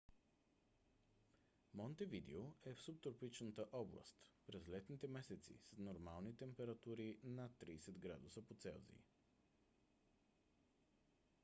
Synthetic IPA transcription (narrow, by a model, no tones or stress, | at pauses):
mɔnt̪ɛvid̪ɛ̰oɛfsup̚t̪ɾopit͡ʃnət̪əʔɔblˠə̰st̪pɾɛzlɛt̪nit̪ɛmɛsɛt̪sḭsnoɾmalˠnit̪ɛmpɛɾat̪uɾinat̪ːɾiːsɛd̪ɡɾa̰d̪usəpot̪sɛ̰lˠzḭḭ